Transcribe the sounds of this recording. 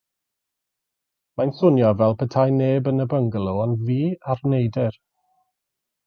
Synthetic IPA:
majnsʊnjɔvɛlˠpʰətʰajneːbənəbəŋɡlˠuɔnviːarnejdɪr

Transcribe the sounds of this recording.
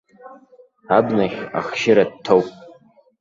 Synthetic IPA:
abnaχʲa̰χʃɪɾad̚tʰowpʼ

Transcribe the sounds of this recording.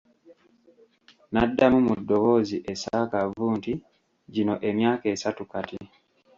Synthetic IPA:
nadːamumudːo̞wo̞ziʔe̞saːkavuːnti | ɟino̞ʔe̞mjaːke̞ːsatukati

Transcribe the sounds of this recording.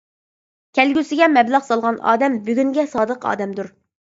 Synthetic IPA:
kʲʰɛlɡʲysɪɡʲɛmɛblɑχsɑlˠʁɑnɑ̰ːd̪ɛmbyɡʲyŋɡʲɛsɑːd̪əqɑ̰ːd̪ɛmd̪uɾ

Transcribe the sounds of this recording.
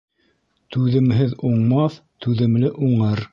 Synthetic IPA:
t̪ʉðɘ̆mɦɘðuɴmɑθt̪ʉðɘ̆mlɘʔuɴɤɾ

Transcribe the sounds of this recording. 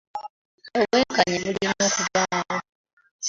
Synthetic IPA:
oβweːŋkaɲeβulinoːkuβaːwo

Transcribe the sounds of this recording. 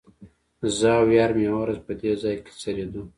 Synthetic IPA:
zawjɑːɾmjawawɾazpəd̪ezɑjke̥t͡sɐɾed̪u

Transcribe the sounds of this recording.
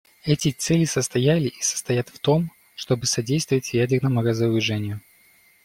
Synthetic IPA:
ɛtʲɪt̪sɛlʲɪsəst̪ɐjælʲɪʔisə̥st̪ɐjat̪ft̪o̞m | ʂt̪o̞bɨsɐdʲejst̪vəvətʲjædʲɪrnəmʊɾəzəɾʊʐɛnʲɪjʊ

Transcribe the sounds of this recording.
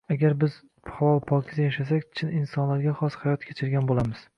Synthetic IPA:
aɡʲaɾbɪz̥ | havɒlˠpʰɒkʲʰɪd̪ajaʃasakʲt͡ʃʰɪnɪnsɒnlaɾɡʲaχɒshajɒt̪kʲʰet͡ʃʰɪɾɡʲanbolamɪz̥

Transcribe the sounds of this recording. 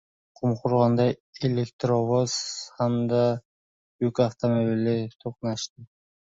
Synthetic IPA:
qʰumqʰʊɾʁɑnd̪ɑjelʲekt̪ɾoβoz̥hamd̪ɑ | ykaft̪omobilɪt̪ʰuqnɑʃt̪ɨ

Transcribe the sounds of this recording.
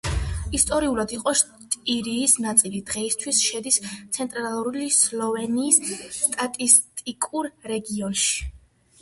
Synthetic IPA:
ist̪ʼɔɾiulad̪iqʼɔʃ | t̪ʼiɾiːsnat̪sʼilid̪̥ʁɛist̪ʰwisʃɛd̪ist̪sʰɛnt̪ʼɾalˠuɾulislˠɔvɛniːsːt̪ʼat̪ʼist̪ʼikʼuɾɾɛɡiɔnʃi̥

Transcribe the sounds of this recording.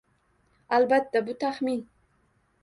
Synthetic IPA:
albat̪ːabʊt̪ʰaχmin

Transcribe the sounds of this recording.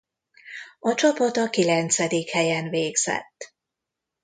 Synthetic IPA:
ɒt͡ʃɒpɒt̪ɒkilɛnt̪sɛd̪ikhɛjɛnveːɡz̥ɛ̰t̪ː

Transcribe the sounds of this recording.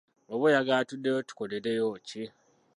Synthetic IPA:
oβujaɡaːtudːejotu̥koleɾejoci

